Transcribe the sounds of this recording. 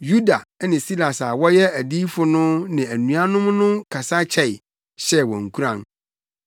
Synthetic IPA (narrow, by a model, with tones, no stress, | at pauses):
ju˦da˨˦nɪ̃˨si˦la˨sa˨wɔ˦jɛ˦æ˨di˦fʊ˨nʊ̃˦nɪ̃˨æ˨nũ˨a˦nʊ̃˦mnʊ̃˦kʰa˨sa˦t͡ɕʰɛ˨ɪ˨ | ɕɛ˦wɔ̰̃˨ŋ̩˨kʰu˦ɾã˨n